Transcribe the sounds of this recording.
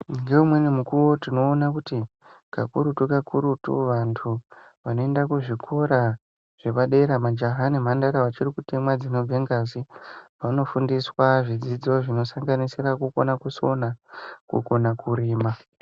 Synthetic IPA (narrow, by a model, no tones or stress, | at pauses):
ŋɡeumwe̞nimukuwo̞tino̞ːnakuti | ka̰kṵɾutukakuɾutṵʋantʰu | ʋano̞e̞ndakuʐikʰoɾa | ʐ̥e̞ʋaɗe̞ɾamad͡ʒaɦanim̤andaɾawat͡ʃirikutemwad͡zino̞b͡veŋɡazipano̞fundiswaʐid͡zid͡zo̞ʐino̞saŋɡanisirakuko̞nakuso̞nakṵko̞nakuɾiːma